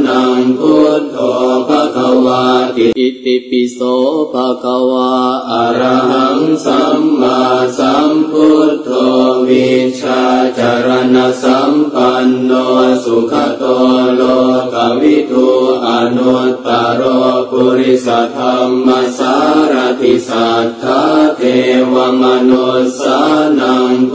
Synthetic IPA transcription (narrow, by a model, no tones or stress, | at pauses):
naŋput̪ɔpakawakipisɔpakawaaɾaɦaŋsamːasamput̪ʰɔʋit͡ʃad͡ʒaɾanasampanːɔsukʰat̪ɔlɔkawit̪uanɔt̪ːaɾɔkuɾisat̪ʰamːasaɾat̪isat̪ʰat̪ewamanosanaŋ